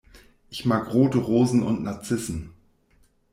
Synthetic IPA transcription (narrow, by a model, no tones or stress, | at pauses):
ʔɪçmaːkʁoːtəʁoːzn̩ʊ̰ntnaɐt͡sɪsn̩